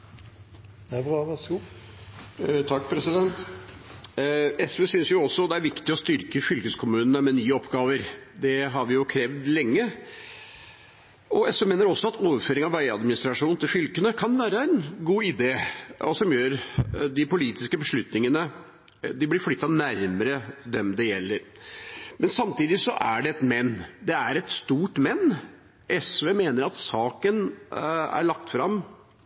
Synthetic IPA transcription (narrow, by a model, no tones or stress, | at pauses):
b | t̪ʰɑkːpʰɾɛsɪd̪ɛnt̪ | ɛsʋeːsʏnsjʊɔsːɔd̪ɛæɾʋɪkt̪ɪɔst̪ʏɾkəfʏlkəskʰʊmʉːnənəmɛnyːəɔpɡɑːʋəɾd̪ɛɦɑɾʋɪjʊkʰɾeːʋd̪lɛŋːə | ɔɛsʋemeːnəɾɔsːɔɑt̪ʰoːʋəɾføːɾɪŋɑʋæɪɑ̰d̪mɪnɪst̪ɾɑʂuːn̩t̪ɪlfʏlkənəkʰɑnʋæːɾəæɪnɡuːɪd̪eːɔsɔmjøːɾd̪ɪpʊliːt̪ɪskəbəʂɭʉt̪nɪŋənə | d̪ɪblɪɾflʏt̪ːɑnæɾməɾəd̪ɛmd̪ɛjɛlːəɾ | mɛnsɑmt̪iːd̪ɪsɔ̰ʔæɖɛɛt̪mɛnːd̪ɛæɾɛt̪st̪uːʈmɛnː | ʔɛsʋeːmeːnəɾɑt̪sɑːkən | æ̰ɭɑk̚t̪fɾɑm